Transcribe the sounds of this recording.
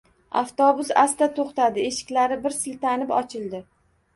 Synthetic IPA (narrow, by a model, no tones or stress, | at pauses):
a̰ft̪ɒbʊsast̪at̪ʰoχt̪ad̪ɪeʃɪ̥kʲlaɾɪbɪɾsɪlt̪ʰanɪpɒt͡ʃʰɪld̪ɪ